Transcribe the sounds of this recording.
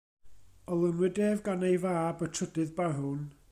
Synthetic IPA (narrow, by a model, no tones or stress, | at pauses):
ɔlˠənwɪdeːvɡanejvaːbətʰrədɨðbaɦʊn